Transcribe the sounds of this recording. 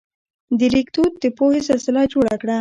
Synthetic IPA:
d̪əɾikt̪ut̪̚d̪əpohesɪlsɪlad͡ʒoɽakɽa

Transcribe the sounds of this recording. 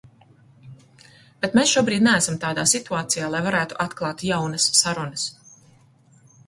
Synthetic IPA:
b̥et̪mesʃuɔbɾiːd̪nææsamt̪aːd̪aːsit̪uaːt̪sijaːlˠajvaɾæːt̪uʔat̪klˠɑːt̪jawnɐsːaɾunɐs

